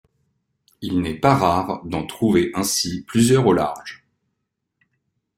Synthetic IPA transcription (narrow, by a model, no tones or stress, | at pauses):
ilnɛpaʁaʁd̪ɑ̃t̪χuveʔɛ̃siplyzjœʁola̰ʁʒ